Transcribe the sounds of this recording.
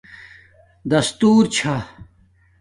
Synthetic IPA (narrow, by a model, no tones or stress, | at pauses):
d̪ɐst̪uːɾt͡ɕʰa